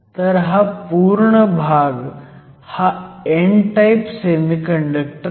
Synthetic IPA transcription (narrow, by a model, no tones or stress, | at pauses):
t̪ɐɾɦapuːɾɳəbʱaːɡ | haeɳʈajpsemikɐ̃ɳɖək̚ʈ